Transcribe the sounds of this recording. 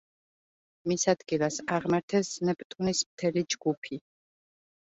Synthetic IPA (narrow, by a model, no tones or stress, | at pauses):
misad̪̥ɡilˠasaʁmaɾt̪ʰɛsnɛpʼt̪ʼunismt̪ʰɛlid͡ʒɡupʰi